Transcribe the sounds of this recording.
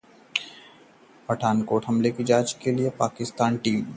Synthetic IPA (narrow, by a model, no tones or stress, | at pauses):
pəʈʰaːnkoːʈʰɦɐmlekid͡ʒaːd͡ʒkeliepaːkɪst̪aːnʈiːm